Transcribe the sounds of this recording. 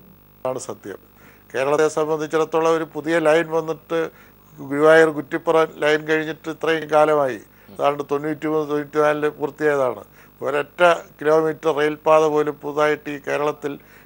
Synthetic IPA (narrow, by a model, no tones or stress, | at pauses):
aːɳɨsɐd̪ʱjɐ̰m | ke̞ːɾɐɭɐesɐmbɐnd̪ʱit͡ɕːiɾɐt̪ːuɭːɐo̞ɾupuðijɐlɐjnʋɐnːiʈːɨ | ɡɾuʋaːjirɡutːipːɐrɐnlɐjnkɐɻiɲːiʈːɨit̪rɐjikaːlɐmaːjḭ | ɐðaːɾɐɳɖɨt̪o̞nːuːtːimuːnɨt̪onːuːtʲːinaːlilpuːrɐt̪ːijaːjɐða̰ːɳɨ̰ | o̰ɾɐtːɐkilo̞ːmiːtrɨrejlpaːðɐpo̞ːlepuðaːjiʈːiːke̞ːɾɐɭɐt̪ːil